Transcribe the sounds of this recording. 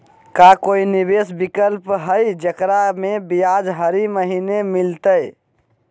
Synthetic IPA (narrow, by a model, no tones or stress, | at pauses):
kakoinibesbikəlpɦəjd͡ʒəkɾamebijad͡ʒɦəɾiməɦinemilt̪əj